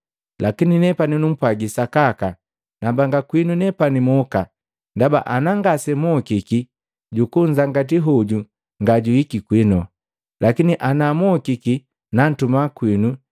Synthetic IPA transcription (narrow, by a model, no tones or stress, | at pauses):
lakininɛpaninum̩pwaɡisakaka | nambaŋɡakwinunɛpanimɔka | ndabaʔanaŋɡasɛmɔkiki | ɟukuɲd͡ʒaŋɡat̬iɦɔɟu | ŋɡaɟuikikwinɔ | lakiniʔanamɔkiki | nan̩tumakwinu